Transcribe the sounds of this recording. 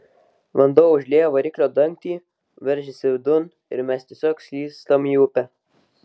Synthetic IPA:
ʋɐnd̪oːʊʒʲlʲeːjoːʋɐɾʲɪkʲlʲoːd̪ɐŋʲk̚t̪ʲiː | ʋʲɛɾʲʒʲɪsʲɪʋʲd̪ʊn | ɪ̰ɾmʲɛst̪ʲiɛsʲoːksʲlʲiːst̪omiːʊpʲɛ

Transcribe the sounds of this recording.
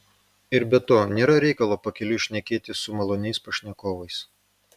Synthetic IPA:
ɪɾbʲɛt̪ːoːnʲeːɾɐɾʲɛɪkɐlˠoːpɐkʲɛlʲʊʃʲnʲɛkʲeːt̪ʲɪsʊmɐlˠoːnʲɛɪspɐʃʲnʲɛkoːʋɐɪs

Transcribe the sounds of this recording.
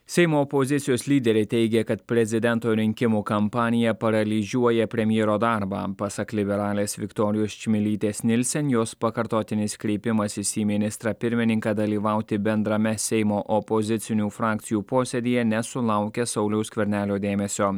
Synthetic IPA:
sʲɛɪmoːɔpɔzʲɪt̪sʲɪjoːslʲiːd̪ʲɛɾʲɛɪt̪ʲɛɪɡʲɛkɐt̪pʲɾʲɛzʲɪd̪ʲɛnt̪oːɾʲɪŋʲkʲɪmuːkɐmpɑːnʲɪjɛpɐɾɐlʲiʒʲuɔjɛpʲɾʲɛmʲjeːɾoːd̪ɑɾbɑ̰ːpɑsɐklʲɪbʲɛɾɑːlʲeːsʋʲɪkt̪ɔːɾʲɪjoːst͡ʃʲmʲɪlʲiːt̪ʲeːsnʲɪlʲsʲɛnjoːspɐkɐɾt̪oːt̪ʲɪnʲɪskɾʲɛɪpʲɪmɐsɪsʲiːmʲɪnʲɪst̪ɾɑpʲɪɾʲmʲɪnʲɪŋkɑd̪ɐlʲiːʋɐʊt̪ʲɪbʲɛnd̪ɾɐmʲɛsʲɛɪmoːʔɔpɔzʲɪt̪sʲɪnʲuːfɾɑːk̚t̪sʲɪjuːpoːsʲɛd̪ʲijɛnʲɛsʊlˠɐˑʊkʲɛsɐʊlʲɛʊskʲʋʲɛɾʲnʲæːlʲoːd̪ʲeːmʲɛsʲoː

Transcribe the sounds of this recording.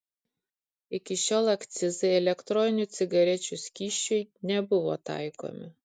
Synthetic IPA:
ɪkʲɪʃʲoːlˠɐkt̪sʲɪzɐɪɛlʲɛkt̪ɾɔnʲɪnʲʊt̪sʲɪɡɐɾʲɛt͡ʃʲʊsʲkʲiːʃʲt͡ʃʲʊɪnʲɛbʊʋo̰ːt̪ɑ̰ɪko̰mʲɪ

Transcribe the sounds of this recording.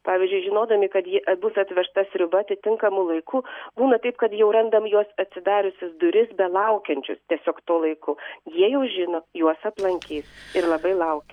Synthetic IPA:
pɑːʋʲiɪzʲd͡ʒʲʊɪʒʲɪnoːd̪ɐmʲɪkɐt̪jɪʔɐbʊsɐt̪ʲʋʲɛʃt̪ɐsʲɾʲʊbɐɐt̪ʲɪt̪ʲɪŋkɐmʊlˠɐɪkuːbuːnɐt̪ɐɪpkɐt̪jɛʊɾɐnd̪ɐmjuɔsɐt̪ʲsʲɪd̪ɑːɾʲʊsʲɪsd̪ʊɾʲɪsbʲɛlˠɐʊkʲɛnʲt͡ʃʲʊ̰st̪ʲiɛsʲoːkt̪oːlˠɐɪkʊjiɛjɛʊʒʲɪnoːjuɔsɐplˠɐŋʲkʲiːsɪɾlˠɐbɐɪlˠɐʊkʲɛ

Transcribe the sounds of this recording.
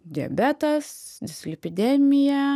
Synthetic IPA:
d̪ʲɪɐ̰bʲɛt̪ɐsd̪ʲɪsʲlʲɪpʲɪd̪ʲɛmʲɪjɛ

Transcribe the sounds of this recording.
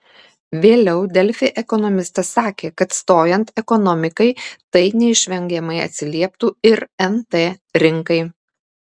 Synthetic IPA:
ʋʲeːlʲɛʊd̪ʲɛlʲfʲeːʔɛkɔnɔmʲɪst̪ɐsːɑːkʲeːkɐt̪st̪oːjɛnt̪ɛkɔnɔmʲɪkɐɪt̪ɐɪnʲɛɪʃʲʋʲɛŋʲɡʲɛmɐɪɐ̰t̪ʲsʲɪlʲiɛp̚t̪uːɪɾɛnt̪eːɾʲɪŋkɐɪ

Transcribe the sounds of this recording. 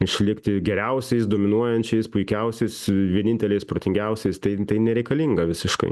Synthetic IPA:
ɪʃʲlʲɪkt̪ʲɪɡʲɛɾʲɛʊsʲɛɪsd̪oːmʲɪnuɔjɛnʲt͡ʃʲɛɪspʊɪkʲɛʊsʲɛɪsʋʲiɛnʲɪnʲt̪ʲɛlʲɛɪspɾoːt̪ʲɪŋʲɡʲɛʊsʲɛɪst̪ɐɪt̪ɐɪnʲɛɾʲɛɪkɐlʲiːŋɡɐʋʲɪsʲɪʃkɐ̰ɪ

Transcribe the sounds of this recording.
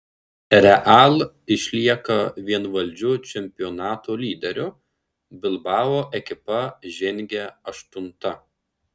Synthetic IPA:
ɾʲɛʔalˠ | ɪʃʲlʲiɛkɐʋʲiɛnʋɐlʲd͡ʒʲʊt͡ʃʲɛmʲpʲɪɔnɑːt̪oːlʲiːd̪ʲɛɾʲʊ | bʲɪlˠbɑːʋoːʔɛkʲɪpɐʒʲɪŋʲɡʲɛɐʃt̪ʊnt̪ɐ

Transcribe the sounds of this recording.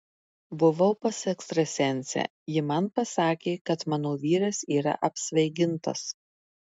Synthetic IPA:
bʊʋɐʊpɐsɛkst̪ɾɐsʲɛnʲsʲɛ̰ː | jɪmɐnpɐsɑːkʲeːkɐt̪mɑːnoːʋʲiːɾɐsiːɾɐ̰ʔɐpʲsʲʋʲɛɪɡʲɪnt̪ɐ̰s

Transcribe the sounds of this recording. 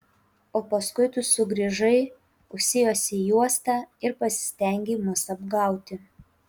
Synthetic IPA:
oːpɐskʊɪt̪ʊsʊɡɾʲiːʒɐɪ | ʊʃʲsʲɪjoːsʲɪjuɔst̪ɑɪɾpɐsʲɪ̥sʲt̪ʲɛˑŋʲɡʲeːmʊsɐbɡɐˑʊt̪ʲɪ

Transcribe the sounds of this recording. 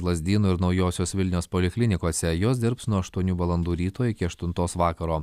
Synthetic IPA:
lˠɐzʲd̪ʲiːnuːɪɾnɒʊjoːsʲoːsʋʲɪlʲnʲɛːspoːlʲɪklʲɪnʲɪkoːsʲɛjoːs̬d̪ʲɪɾpsnuɔɐʃt̪uɔnʲuːʋɐlˠɐnd̪uːɾʲiːt̪oːɪkʲɪɐʃt̪ʊnt̪oːsʋɑːkɐɾoː

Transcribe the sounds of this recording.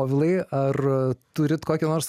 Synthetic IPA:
ʋʲɪlˠɐɪɐrt̪ʊɾʲɪt̪koːkʲɛnoːrs

